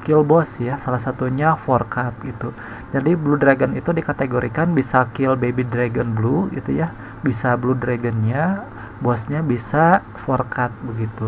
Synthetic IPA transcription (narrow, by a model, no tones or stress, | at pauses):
kɪlbɔsjasalahsat̪uɲaforkat̪̚ɡit̪u | d͡ʒadibludɾaɡənit̪udikat̪eɡoɾikanbisakɪlbebidɾaɡənbluɡḭt̪uja | bisabludɾaɡənɲa | bɔsɲabisa | forkat̪̚bəɡit̪u